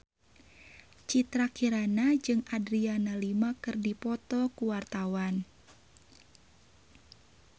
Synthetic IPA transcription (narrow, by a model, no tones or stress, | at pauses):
t͡ʃit̪ɾakiɾanad͡ʒɨŋadɾianalimakɨrdipɔt̪ɔkuwart̪awan